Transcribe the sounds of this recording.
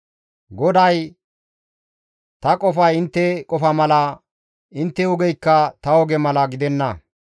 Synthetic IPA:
ɡɔd̪ɐj | t̪ɐkʼɔfɐjɪnt̪ːɛkʼɔfɐmɐlɐ | ɪnt̪ːɛʊɡɛjkːɐt̪ɐɔɡɛmɐlɐɡɪd̪ɛnːɐ

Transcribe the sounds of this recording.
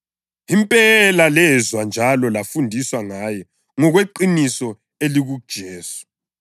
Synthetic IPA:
impʼɛlalɛzwand͡ʒʱalɔlafundʱiswaŋajɔ | ŋɔɣweǃinisɔ | eliɣud̥ʒ̥ʱɛːsɔ̥

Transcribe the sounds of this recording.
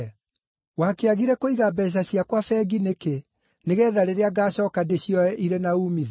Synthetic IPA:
wakeaɣiɾɛkoiɣabɛs̬aɕiakwafɛɡineke | neɣɛːðaɾeɾeaɡaːɕɔːkadeɕjɔɛʔiɾenauːmiðe

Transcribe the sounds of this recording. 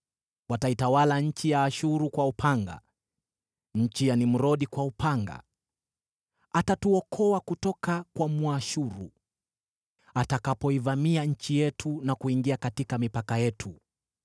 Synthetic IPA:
wataitawalaɲ̩t͡ʃijaːʃuɾukwaupʰaŋɡa̰ | ɲ̩t͡ʃijanim̩ɾɔɗikwaupʰaŋɡa̰ | atatuɔkʰɔwakutɔkakwamwaʃuɾṵ | atakapɔivamiaɲ̩t͡ʃijɛtʰunakuiŋɡiakatikamipakajɛtʰu

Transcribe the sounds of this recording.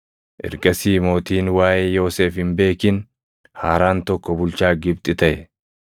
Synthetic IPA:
ʔɛ̰ɾɡɐsiːmo̞ːt̪iːnwaːjʔeːjo̞ːseːfhɪmbe̞ːkɪn | haːɾaːnt̪ɔkːɔbʊlt͡ʃaːɡɪb̚t̪ʼɪt̪ɐʔɛ̰

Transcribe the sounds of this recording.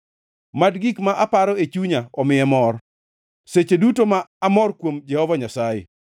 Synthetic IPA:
madɡikmaʔapaɾɔet͡ʃuɲaɔmɪjɛmɔr | set͡ʃedutomaːmɔrkwomd͡ʒɛhɔvaɲasajḛ

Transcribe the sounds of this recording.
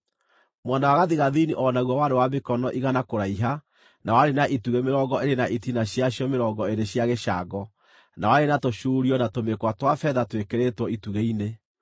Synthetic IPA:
mwanawaɣaðiɣaðiniʔɔnaɣwɔwaɾewamekɔnɔʔiɣanakoɾaiɦa | nawaɾenaʔituɣemeɾɔɡɔeɾenaʔitinaɕjaɕjɔmeɾɔːɡɔeɾeɕjaɣeʃaːɡɔ | nawaɾenatoʃuːɾiɔnatomekwatwafɛðatwekeɾetwɔituɣeine

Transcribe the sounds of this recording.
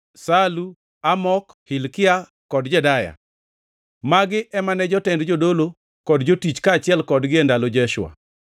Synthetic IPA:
salu | amɔk | hilkɪa | kɔdd͡ʒɛdaja̰ | maɡɪʔɛmanɛd͡ʒɔtɛndd͡ʒodolo | kɔdd͡ʒotit͡ʃkaːt͡ʃɪɛlkɔdɡɪendalod͡ʒɛʃw̰a̰

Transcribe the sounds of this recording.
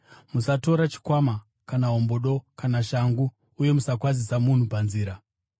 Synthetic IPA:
musato̞ɾat͡ʃi̥kwama | kanaɦo̞mboɗo̞kanaʃaŋɡuː | je̞musakwazisamun̤upanziːɾa

